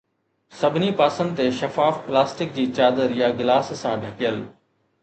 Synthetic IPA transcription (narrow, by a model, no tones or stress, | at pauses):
sɐbʱɪnipaːsə̃nd̪ɪt̪eʃɐfaːfplaːsʈɪk̚d͡ʑiːt͡ɕaːd̪əɾjaɡɪlaːssãɖʱɐkijəl